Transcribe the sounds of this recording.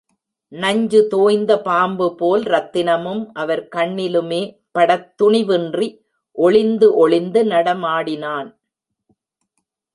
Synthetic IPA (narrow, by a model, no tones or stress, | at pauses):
nɐɲd͡ʒɯt̪oːjnd̪ɐpaːmbɯpoːlɾɐt̪ːɪnɐmɯmʔɐʋɐɾkɐɳːɪlɯmeː | pɐɽɐt̪ːʊɳɪʋɯndri | ʔɔɭɪnd̪ɯʔɔɭɪnd̪ɯnɐɽɐmaːɽɪnaːn